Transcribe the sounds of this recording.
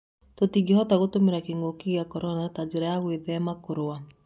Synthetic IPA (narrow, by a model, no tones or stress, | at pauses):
totiɡehɔtaɣotomeɾakeŋɡokeɣeakɔɾɔnatad͡ʒeɾajaɣweðɛmakoɾoa